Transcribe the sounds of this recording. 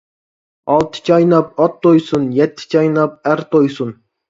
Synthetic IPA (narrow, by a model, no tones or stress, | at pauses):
ɑlˠt̪ʰt͡ʃɑjnɑp̚ɑt̪ːojsunjɛt̪ʲːt͡ʃɑjnɑp̚æɾt̪ojsun